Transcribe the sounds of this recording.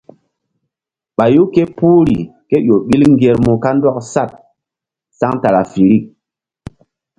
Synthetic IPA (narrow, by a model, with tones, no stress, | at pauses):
ɓa˨ju˦ke˦pu˦ɾi˨ke˦jo˨ɓi˦lŋ˦ɡe˧ɾmu˨ka˦ndɔ˦k̚sa˦˨t̚ | sa˦ŋta˨ɾa˨fi˨ɾi˦˨k̚